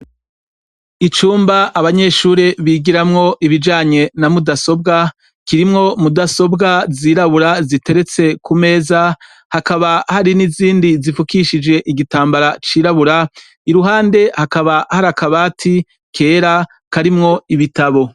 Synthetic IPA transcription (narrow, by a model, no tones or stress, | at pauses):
it͡ʃuːmbaaβaɲe̞ʃuːɾeβiɡiɾamŋo̞ʔiβid͡ʒaːɲe̞namudaso̞b̚ɡa | kiɾimŋo̞mudaso̞bɡaziːɾaβuɾazite̞ɾe̞t͡se̞kʰume̞ːza | hakaβahaɾiniziːndizifukiʃid͡ʒe̞ʔiɡitaːmbaɾat͡ʃiːɾaβuɾa | iɾuɦaːnde̞hakaβahaɾakaβaːtʰi | kʰe̞ːɾa | kaɾimŋo̞iβitaβo̞